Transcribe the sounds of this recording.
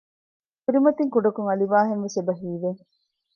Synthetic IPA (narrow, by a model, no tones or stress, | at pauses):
kuɾimɐt̪iŋkuɖɐkuŋɐliʋaːɦenʋesebɐɦiːʋeŋ